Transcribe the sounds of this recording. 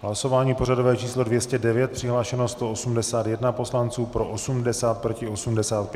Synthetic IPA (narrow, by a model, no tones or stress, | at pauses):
ɦlaso̞vaːɲiːpo̞rado̞vɛːt͡ʃiːslo̞dvjɛscɛdɛvjɛt̪̚pr̝̥ɪɦlaːʃɛnost̪o̞ʔosumdɛsaːt̪jɛdnapo̞slant͡suːpɾo̞ʔosumdɛsaːt̪̚pɾocɪʔo̞sumdɛsaːt̪̚p